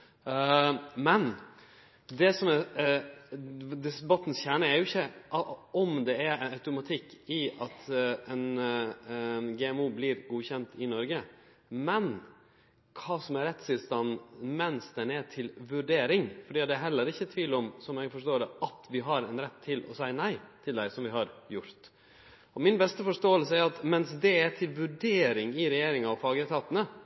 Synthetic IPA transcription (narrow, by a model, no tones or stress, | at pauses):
mɛn | d̪ɛsɔmɛ | d̪ɪsbɑt̪ːn̩sçæːɳəæɾjʊɪçːəʔɔmd̪ɛænɑʉt̪ʊmɑt̪ʰɪkːɪɑt̪ɛn | ɡɛɛmuːblɪɾɡuːçɛnt̪ʰɪnɔɾɡə | mɛn | kʰɑːsɔmɛɾɛt̪st̪ɪlst̪ɑnːmɛnsd̪ɛnɛʈʰɪlʋʉɖeːɾɪŋfɔɖiːɑt̪̚d̪ɛæɾɦɛlːəɾɪçːət̪ʰʋiːlɔmsɔmɛɡfɔʂʈoːɖɛɑt̪ʋɪɦɑɾɛnɾɛt̪ʰːɪlʔɔ̰sæɪnæɪt̪ʰɪld̪æɪsɔmʋɪɦɑɾjʊɾt̪ | ɔmɪnbɛst̪əfɔʂʈoːəlsəæɾɑt̪mɛnsd̪ɛæʈ̪ʰɪlʋʉɖeːɾɪŋɪɾɛjeːɾɪŋɑɔfɑːɡət̪ʰɑːt̪ənə